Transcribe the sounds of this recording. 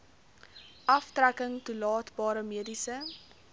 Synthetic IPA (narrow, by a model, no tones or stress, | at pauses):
ʔɐftrækəŋtulɑːtbɑːɾəmiədisə